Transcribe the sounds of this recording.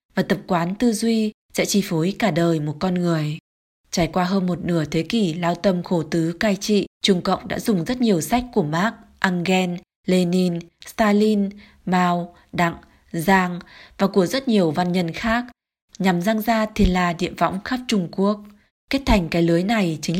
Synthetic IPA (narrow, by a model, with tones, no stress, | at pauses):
vaː˨˩t̪ə˨˩p̚kwaː˨˦nt̪ɨ˧zwi˧ | sɛ̰˧˥t͡ɕi˧˩fo˨˦jkaː˧˩ɗəː˨˩jmo˨˩t̚kɔ˧nŋɨ˨˩əj | t͡ɕaː˧˩jkwaː˧ɦəː˧nmo˨˩t̚nɨ˧˩ət̪ʰe˨˦ki˧˩laː˧wt̪ə˧mxo˧˩t̪ɨ˨˦kaː˧jt͡ɕḭ˧˨t͡ɕʊ˧˩ŋ͡mkə̰˧˨wŋ͡mɗa̰ː˧˥zʊ˨˩ŋ͡mzə˦˥t̚ɲi˨˩əwsa˦˥jk̟̚ku˧˩əmaː˦˥k̚ʔaː˧ŋɣɛ˧n | le˧ni˧nst̪aː˧li˧n | maː˧w | ɗa̰˧˨ŋ | zaː˧ŋvaː˨˩ku˧˩əzə˦˥t̚ɲi˨˩əwva˧nɲə˧nxaː˦˥k̚ | ɲa˨˩mzaː˧ŋzaː˧t̪ʰi˨˩nlaː˨˩ɗḭ˧˨əvɔ̰˧˥wŋ͡mxaː˦˥p̚t͡ɕʊ˧ŋ͡mku˦˥ək̚ | kːe˦˥t̚t̪ʰa˨˩jŋ̟kaː˨˦jlɨ˨˦əjna˨˩jt͡ɕï˨˦ŋ̟